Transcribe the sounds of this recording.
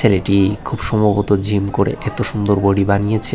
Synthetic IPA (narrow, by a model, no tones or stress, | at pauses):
eleʈikʰubʃɔmbʱabot̪od͡ʑimkoɾḛʔet̪oʃund̪oɾboɽibanijet͡ɕʰe